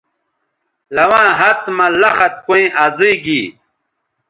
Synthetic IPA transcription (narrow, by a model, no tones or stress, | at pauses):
lɐwãːɦɐt̪mɐlɐxɐt̪̚kuĩʔaziɡiː